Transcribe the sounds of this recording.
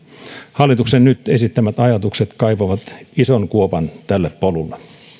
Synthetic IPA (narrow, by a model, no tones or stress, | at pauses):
hɑlːˑit̪uksennyt̪esit̪ːæmæt̪ɑjɑt̪ukset̪kɑipoʋɑt̪isonkuopɑnt̪ælːeppolulːe